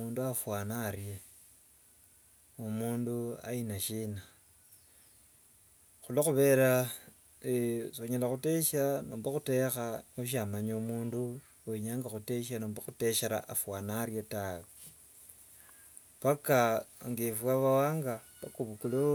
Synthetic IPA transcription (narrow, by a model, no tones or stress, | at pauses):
uːnduafwanaɾje | omuːndua̰inaʃina | xuloxuβe̞ɾa | soɲelaxute̞ʃanoːmbaxute̞xaoʃ̬amaɲaumuːndu | eɲaːŋɡaxute̞ʃanoːmbaxuteʃeɾa̰ʔafwanaɾjetawe | pakaŋɡifwaβawaːŋɡa | pakuβukulo